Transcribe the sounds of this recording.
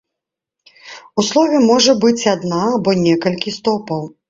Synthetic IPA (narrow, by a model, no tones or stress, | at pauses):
uslˠɔvʲɛmɔʐɐbɨt͡sʲad̪naːbɔnʲɛkɐlʲkʲist̪ɔpɐw